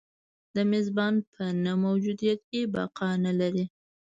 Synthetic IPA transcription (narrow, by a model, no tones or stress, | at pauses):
d̪əmɪzbɑnpʰənamawd͡ʒud̪ijat̪̚kebɑ̰qɑnalaɾi